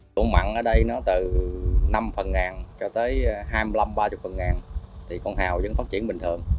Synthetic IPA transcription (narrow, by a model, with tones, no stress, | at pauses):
ṵ˧˩əŋma̰˧˨nʔəː˧˩ɗə˧jnɔ˨˦t̪ɨ˨˩na˧mfə˨˩nŋaː˨˩nt͡ɕɔ˧t̪əː˨˦jɦaː˧jmɨ˧əla˧mɓaː˧t͡ɕʊ˨˩k͡p̚fə˨˩nŋaː˨˩nt̪ʰi˨˩kɔ˧nhaː˨˩wzə̰˨˦ŋfaː˦˥t̚t͡ɕḭ˧˩ənɓï˨˩ŋ̟t̪ʰɨ˨˩əŋ